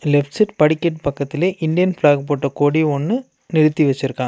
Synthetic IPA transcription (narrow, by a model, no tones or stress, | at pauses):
lɛfʈsɪʈpɐɽɪkːɛʈpɐkːɐt̪ːɪleːʔɪnd̪ɪjɐnflaːɡ̚poːʈːɐkoːɽiɔnːɯ | nɪɾɯt̪ːiʋɛt͡ʃːɪɾɯkːãː